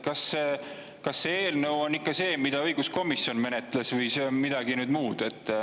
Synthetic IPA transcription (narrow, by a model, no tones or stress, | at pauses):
kɑsː | kɑsːee̞ːlnəwo̞nːikːˑɑse̞ːmid̪̥ɑɤ̞jɡ̥usko̞misio̞nme̞net̪ˑlesvɯjsemid̪̥ɑɡ̥inyːd̪muːd̪̥e̞t̪ːˑ